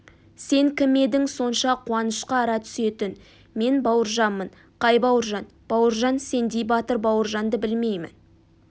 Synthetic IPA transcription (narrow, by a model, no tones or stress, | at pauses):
se̞ŋkʲʰɪme̞d̪ɪŋso̞nʃɑqʰuɑnəʃqɑːɾɑt̪ʰʏ̥se̞t̪ɪn | me̞nbɑwəɾʒɑnmən | qʰɑjbɑwəɾʒɑn | b̥ɑwəɾʒɑnse̞nd̪ejbɑt̪əɾbɑwəɾʒɑnd̪əbɪlme̞jmɪ̰n